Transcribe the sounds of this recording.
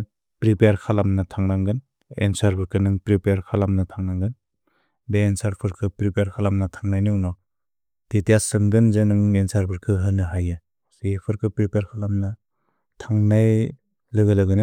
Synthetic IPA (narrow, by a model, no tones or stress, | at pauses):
pɾipejaɾkʰalamnatʰaŋɾaŋɡɯn | ḛnsaɾpʰɯɾkʰɯnɯŋpɾipjaɾkʰalamnatʰaŋnaŋɡɯn | beːnsaɾpʰɯɾkʰɯpɾipeaɾkʰalamnatʰaŋnajniwnɔ | d̥etijasɯmɡɯnzenɯŋensaɾpʰɯɾkʰɯɦɯnɯɦajɯ | sipʰɯɾkʰɯpɾipeɾkʰalamna | tʰaŋnaj | lɯɡɯlɯɡɯnɯ